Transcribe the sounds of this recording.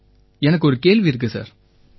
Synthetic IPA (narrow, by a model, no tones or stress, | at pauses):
ɛnɐk̬ːɔɾɯkeːɭʋiɪɾɯk̬ːɯsa̰ːɾ